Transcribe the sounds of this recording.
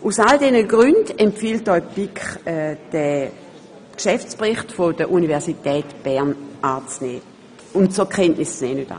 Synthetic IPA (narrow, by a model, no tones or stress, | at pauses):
usaldɛnəɡʁyndɛmpfiːltɔʏpikχɛd̥ɛ | kʃɛft͡spʁɪχtfodəʔunivɛɐsitɛːtb̥ɛɐnʔaːt͡snɛː | ʊntt͡soɐkʰɛntnɪst͡snɛːnyta̰ː